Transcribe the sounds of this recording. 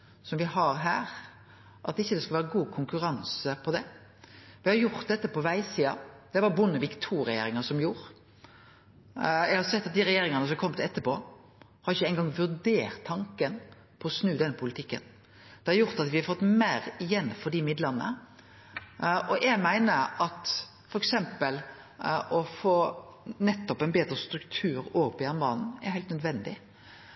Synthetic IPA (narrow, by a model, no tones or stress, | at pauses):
sɔmʋɪhɑɾɦæːɾ | ʔɑt̪ɪçːəd̪ɛskɑlʋæːɾəɡuːkʰʊŋkʉɾɑnsəpʰɔd̪ɛ | ʋɪhɑɾjʊɾt̪̚d̪ɛt̪ːəpɔʋæɪsiːɑ̰d̪̥ɛʋɑɾbʊnːəʋɪkt̪ʰuːɾɛjḛːɾɪŋɑsɔmjuːɾ | jɛɪɡhɑɾsɛt̪ːɑt̪̚d̪ɪɾɛjeːɾɪŋənəsɔmkʰɔmːt̪ʰɪɛt̪ːəpoː | hɑɾɪçːəæɪŋɡɑŋʋʉɾd̪eːɾt̪ʰːɑŋkən | pʰɔɔsnʉːd̪ɛnːəpʰʊlɪt̪ʰɪkːə̰n | d̪̥ɛhɑɾjʊɾt̪ɑt̪ʋɪhɑfɔt̪ːmæːɾɪjɛnːfɔd̪imɪd̪ləʁnə̰ | ʔɔʔɛɡmæɪnəɾɑt̪ | fɔɾɛksɛmpəl | ʔɔfoːnɛt̪ːɔpɛɪnbeːd̪ɾəst̪ɾʉkt̪ʰʉːɾoːpɔjɑmbɑːnn̩æ̰hæɪlt̪nœd̪ʋɛnd̪ɪ̰